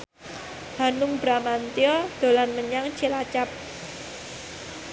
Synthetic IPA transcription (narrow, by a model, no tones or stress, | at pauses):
ha̤nʊŋbɾamant̪iɔd̪̥o̤lanməɲaŋt͡ʃilat͡ʃap̚